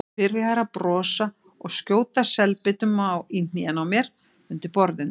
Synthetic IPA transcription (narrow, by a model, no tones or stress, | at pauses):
ɪɾɪ̥haɾapɾɔːsa | ɔɣscjoːwt̪asɛlpɪt̪ʏmawin̥niɛnawmjɛɾ̥ | ʏnt̪ɪpɔɾðɪn